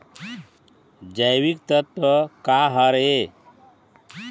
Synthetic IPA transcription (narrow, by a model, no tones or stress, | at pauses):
d͡ʒajwikt̪ət̪wəkaɦəɾe